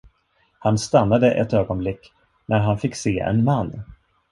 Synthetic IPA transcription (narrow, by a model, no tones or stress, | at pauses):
hanst̪anːad̪əʔɛ̰t̪øːɡɔnblɪkː | nʔæɾɦanfɪkːseːɛ̰nmanː